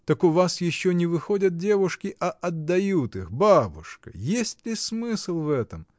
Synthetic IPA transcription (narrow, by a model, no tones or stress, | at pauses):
t̪əkʊvasjɪɕːonʲɪvɨxodʲət̪̚dʲe̞vʊʂkʲɪʔɐʔɐd̪ːɐjut̪ɨxbabʊʂkə̰jesʲtʲlʲɪsmɨsɨlˠvɛt̪əm